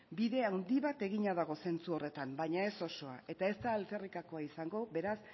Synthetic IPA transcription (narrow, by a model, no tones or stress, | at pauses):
biðe̞awnd̪iβat̪e̞ɣiɲaðaɣ̞o̞se̞nt͡suo̞re̞t̪ambaɲae̞so̞so̞aʔe̞t̪ae̞st̪aːlt͡se̞rikako̞aisaŋɡo̞be̞ɾas